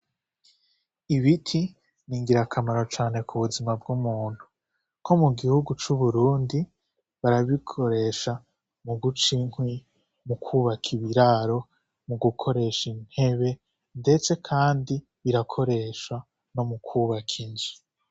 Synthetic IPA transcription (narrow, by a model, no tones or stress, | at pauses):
iβitʰi | niːŋɡiɾakʰamaɾo̞t͡ʃaːne̞kʰuβuzimabɡumuːn̥hu | kʰo̞muɡihuɡut͡ʃuβuɾuːndi | βaɾaβikʰo̞ɾe̞ʃa | muɡut͡ʃiŋhwi | mukʰuβakʰiβiɾaɾo̞ | muɡukʰo̞ɾe̞ʃin̥he̞βe̞ | nde̞t͡se̞kʰaːndi | βiɾakʰo̞ɾe̞ːʃwa | no̞mukʰuβakʰiɲzi̥